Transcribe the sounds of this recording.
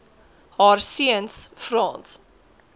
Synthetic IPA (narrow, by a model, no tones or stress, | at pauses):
hɑːrsiənsfrɑːns